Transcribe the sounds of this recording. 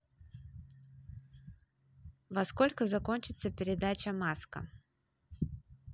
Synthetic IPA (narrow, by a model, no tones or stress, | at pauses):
vɐsko̞lʲkəzɐko̞nʲt͡ɕɪt̪səpʲɪɾʲɪd̪at͡ɕəmaskə̰